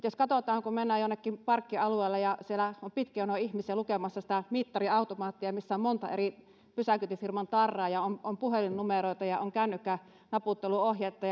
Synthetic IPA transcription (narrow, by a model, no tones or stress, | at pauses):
t̪joskɑt̪ot̪ɑːŋkummenːæːjonːekːimpɑrkːiɑlueˑːlːɑjɑsielæompit̪kionoihmisiælukemɑsːɑsi̥t̪æmit̪ːɑriɑˑut̪omɑːt̪ːiɑmisːæommont̪ɑ̰ḛri | pysækyt̪yfirmɑnt̪ɑrːɑːjɑomompuhelinnumeroˑit̪ɑjɑoŋkæˑynːykːæ | nɑput̪ːeluohjet̪ːɑj